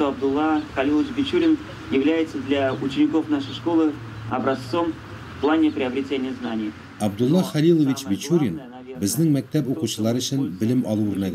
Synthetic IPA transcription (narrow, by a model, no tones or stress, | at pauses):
ʂt̪oɐb̚d̪ʊlˠːɑχɐlʲilˠəvɪt͡ɕbʲɪt͡ɕuɾʲɪn | jɪvlʲæjɪt̪səd̪lʲaut͡ɕɪnʲɪko̞fnaʂəjʂko̞lˠɨ | ɐ̰bɾɐst̪so̞m | fplˠanʲɪpɾʲɪɐbɾʲɪtʲenʲɪjəznanʲɪj | ɐbd̪ulˠːɑχɑlʲilˠə̆vʲit͡ɕbʲit͡ɕuɾʲɪn | bɘ̆znɘŋmæk̚t̪æpuquɕɤ̆lˠɑɾɵ̆ɕɘnbɘ̆lɘmɒ̰lˠuʉɾnæd̪